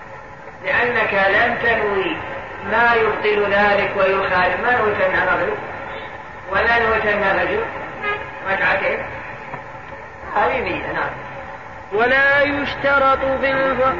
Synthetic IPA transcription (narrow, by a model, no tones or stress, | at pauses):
lɪʔanːakalamt̪anwi | maːjʊbt̪ˤɨlðaːlɪkwajʊxaːlmaːnwit̪anːaʔˤɑðlʊ | walanwit̪anːaɾˤɑd͡ʒʊl | ɾˤɑkʕat̪eːn | haːðibɪjːanaʕam | walaːjʊʃt̪ɑɾˤɑt̪ˤbɪnɦʊ